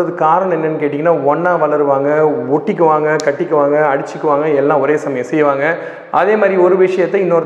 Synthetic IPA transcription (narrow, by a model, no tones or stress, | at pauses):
ɐðɯkaːɾɐɳ̃ɛnːɐnːɯkeːʈɪŋɡɐnːaːɔnːaːʋɐɭɐɾɯʋaːŋɡɐɔʈːɪkːɯʋaːŋɡɐkɐʈːɪkːɯʋaːŋɡɐɐɽɪt͡ʃːɯkːɯʋaːŋɡɐɛlːãːɔɾeːsɐmɐjɐ̃sɛjːʋaːŋɡɐ | ʔɐðeːmaːd̪ɾiɔɾɯʋɪʂɐjɐt̪ːɐɪnːoːɾ